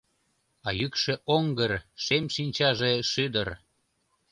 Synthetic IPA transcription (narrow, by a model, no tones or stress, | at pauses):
ɑjykʃeʔoŋɡərʃemʃinʲt͡ɕɑʒeʃyd̪ər